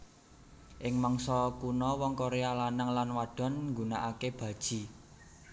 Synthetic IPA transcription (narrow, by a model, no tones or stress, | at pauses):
ʔɪŋmɔŋsɔkunɔwɔŋkoɾealanəŋlanwaɖ̥ɔ̤nŋɡunaʔakeb̥ä̤d̥ʒ̥i̤